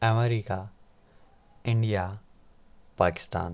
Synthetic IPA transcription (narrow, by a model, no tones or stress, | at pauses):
əmeɾiːka | ɪ̃ɳɖijaː | paːkɪ̥st̪a̰ːn